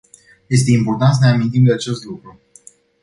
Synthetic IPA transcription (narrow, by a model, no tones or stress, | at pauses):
je̞st̪e̞impo̞rt̪ant̪s̬əneamint̪imd̪eat͡ʃe̞st̪lukɾu